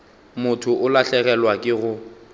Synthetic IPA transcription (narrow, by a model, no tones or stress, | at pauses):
mʊtʰʊʔʊlaɬɛɣɛlwakʼɪɣʊ